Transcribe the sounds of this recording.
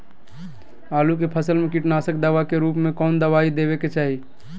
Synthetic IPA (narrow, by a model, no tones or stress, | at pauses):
alukepʰəsəlmekiʈnasək̚d̪əʋakeɾupmekɔːnd̪əʋaid̪eβeket͡ʃaɦi